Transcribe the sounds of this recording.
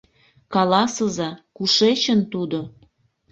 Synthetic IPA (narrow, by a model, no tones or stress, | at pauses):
kɑlɑsəzɑkuʃet͡ɕənt̪ud̪o